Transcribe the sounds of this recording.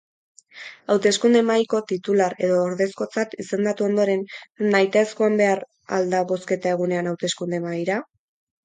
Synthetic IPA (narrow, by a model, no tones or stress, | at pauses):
awt̪e̞skund̪emajko̞t̪it̪ulaɾe̞ðo̞ːɾðe̞sko̞t͡sat̪ise̞nd̪at̪uo̞nd̪o̞ɾe̞nːajt̪aeskoambe̞aɾ | a̰ld̪aβo̞ske̞t̪ae̞ɣ̞une̞anawt̪e̞skund̪emajɾa